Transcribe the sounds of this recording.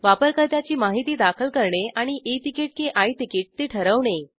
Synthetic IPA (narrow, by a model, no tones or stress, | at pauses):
ʋapəɾkəɾt̪jat͡ɕiːmaɦit̪iːd̪akʰəlkəɾɳeʔaɽ̃iʔet̪ikiʈ̚keʔait̪ikiːʈ̚t̪eʈʰəɾəʋɳe